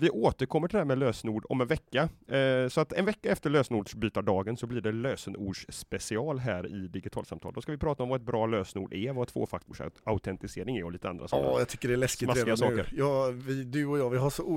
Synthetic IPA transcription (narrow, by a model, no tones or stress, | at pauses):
vɪʔoːt̪əɾkʰɔmːəʈʰɪd̪ɛhæɾmɛløːsnuːɖɔ̰mɛnvɛkːasɔat̪ɛnvɛkːaɛft̪əɭøːsənuːɖʂbyːt̪aɖɑːɡənsɔbliːɖɛløːsənuːɖʂspɛsɪɑːlɦæːɾɪ̰d̪ɪɡɪt̪ʰɑːlsamt̪ʰɑːld̪ɔskavɪpʰɾɑːt̪aɔmvɑːɛt̪̚bɾɑːløːsnṵːɖʔɛvat̪ʰv̥o̰ːfakt̪ʊːʂaʊt̪ʰɛnt̪ɪseːɾɪŋæɾɔliːt̪əand̪ɾa̰sɔjɑɡt̪ʏkːəɖɛlɛsksɪtmaɾɪɡasɑːkə̰ɾjɑːvɪd̪ʉɔjɑːvɪɦaʂɔu